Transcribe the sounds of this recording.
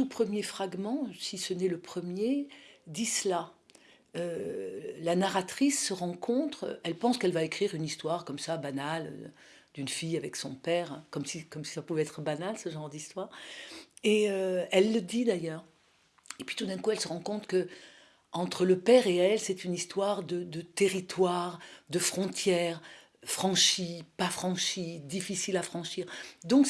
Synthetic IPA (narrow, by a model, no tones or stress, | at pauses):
t̪upχəmjefχaɡmɑ̃sisənɛləpχəmjed̪isəla | ø | lanaʁat̪χisːəʁɑ̃kʰɔ̃t̪χɛlpɑ̃skɛlvaekχiʁynist̪waʁkɔmsabanal̰ | d̪̥ynfijavɛksɔ̃pɛːʁkɔmsikɔmsi̥sapuvɛɛt̪χəbanalsəʒɑ̃ʁd̪ist̪waːʁ | eøɛlːəd̪id̪ajœːʁ | epɥi̥t̪ud̪ɛ̃kuɛlsəʁɑ̃kɔ̃t̪kə | ɑ̃t̪χələpɛʁeɛlsɛt̪ynist̪waʁd̪əd̪ət̪eʁit̪waʁd̪əfχɔ̃t̪jɛʁ | fχɑ̃ʃipafχɑ̃ʃid̪ifisilafχɑ̃ʃiːʁd̪ɔ̃k